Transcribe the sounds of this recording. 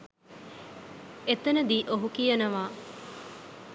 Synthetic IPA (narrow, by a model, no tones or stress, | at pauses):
et̪enɐd̪iːʔoɦukijɐnɐʋaː